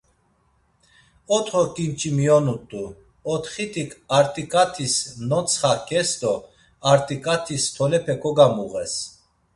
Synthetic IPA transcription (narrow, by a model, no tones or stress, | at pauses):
ɔt̪ʰχɔkʼint͡ʃʼimiɔnut̪ʼu | ɔt̪ʰχit̪ʰikʰaɾt̪ʼikʼat̪ʰisnɔt͡sʰχakʰʼɛsd̪ɔ | aɾt̪ʼikʼat̪ʰist̪ʰɔlɛpʰɛkʰɔɡamuɣɛs